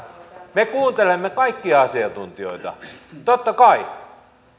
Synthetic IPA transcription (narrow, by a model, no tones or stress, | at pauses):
mekuːnt̪elemːekɑikːiɑɑsiɑnt̪unt̪io̰it̪ɑ̰t̪ot̪ːɑkɑi